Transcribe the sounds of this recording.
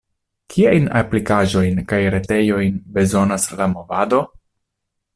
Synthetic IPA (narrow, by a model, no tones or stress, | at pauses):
kʰiajna̰plikaʒo̞jnkajɾe̞te̞jo̞jnbe̞zo̞naslamo̞vado̞